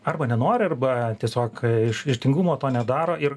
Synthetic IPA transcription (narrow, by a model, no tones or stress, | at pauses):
ɐrbɐnʲɛnoːɾʲɪɐrbɐt̪ʲiɛsʲoːkɪʃɪʃt̪ʲɪŋɡumoːt̪oːnʲɛd̪ɑːɾoːɪr